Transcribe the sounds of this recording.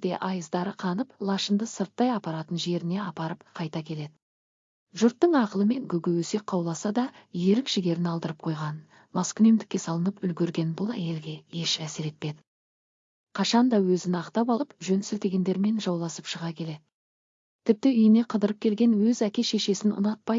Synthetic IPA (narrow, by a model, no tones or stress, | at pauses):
d̪e̞̰ʔɑjəzd̪ɑɾəqʰɑnəplˠɑʃənd̪əsəɾt̪ːɑjɑpɑɾɑt̪ənʒe̞ɾɪne̞ɑpɑɾəp̚qʰɑjt̪ɑkʲʰe̞le̞d̪ɪ | ʒʊɾt̪ːəɴɑqəlˠəme̞ŋɡʲɵɡʲɪwɵse̞qʰːɑwlˠɑsɑd̪ɑje̞ɾɪkʒ̥ɪɡʲe̞ɾɪnɑlˠd̪əɾəp̚qʰo̞jʁɑnə | mɑskʲʏne̞md̪ɪkʲːe̞sɑlˠənəpʏlɡʲeɾɡʲe̞nbʊlˠæje̞lɡʲe̞je̞ʃæseɾe̞t̪̚pe̞d̪ɪ | qʰɑʃɑnd̪ɑwɵzɪnɑqt̪ɑpɑlˠəpʒɵnsɪlt̪e̞ɡʲe̞nd̪e̞ɾme̞nʒɑwlˠɑsəpʃəʁɑkʲʰe̞le̞d̪ɪ | t̪ʰɪp̚t̪ɪʏjɪne̞qʰəd̪əɾəp̚kʲʰe̞lɡʲe̞nwɵzækʲe̞ʃe̞ʃe̞sɪnʊ̰nɑt̪̚pɑj